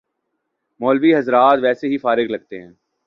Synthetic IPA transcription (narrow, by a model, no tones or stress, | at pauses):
mɔːlʋiɦɐzɾaːt̪ʋɛːseɦifaːɾɪɡlɐɡ̚t̪eɦɛ̃ː